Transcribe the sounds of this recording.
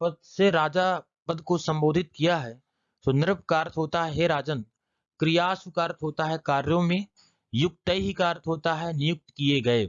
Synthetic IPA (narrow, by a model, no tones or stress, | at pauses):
pəd̪̚seɾaːd͡ʒa | pəd̪ʱkosɐ̃mboːd̪ʱɪt̪̚kijaɦɛː | sʊnɾəp̚kaːɾt̪ɦoːt̪aɦɛɾaːd͡ʒən | kɾɪjaːsʋəkaːɾt̪ɦoːt̪aɦɛkaːɾjõmẽ | jʊk̚t̪əiɦikaːɾt̪ɦoːt̪aɦɛnɪjʊk̚t̪kieɡɐeː